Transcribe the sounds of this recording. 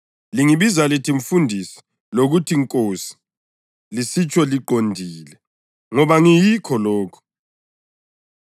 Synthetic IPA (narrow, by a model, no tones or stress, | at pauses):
liŋiβizalitʰiɱ̩fundʱisi̥ | loɣutʰiŋkʼosi̥ | lisit͡ʃʰʼɔliǃondʱiːlɛ | ŋɔβaŋijikʰɔlɔːkʰɔ̥